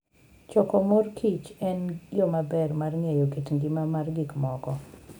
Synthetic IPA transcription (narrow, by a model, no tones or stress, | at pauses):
t͡ʃɔkɔmorkʰit͡ʃɛnjomabɛrmarŋejokitŋɡɪmamarɡikmɔkɔ